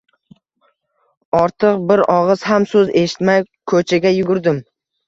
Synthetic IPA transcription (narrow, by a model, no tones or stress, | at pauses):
ɒɾt̪ʰɨqbɪɾɒʁɨz̥hamsɵze̞ʃɪ̥t̪maj | kʰɵt͡ʃʰaɡʲajʊɡʊɾd̪ɪm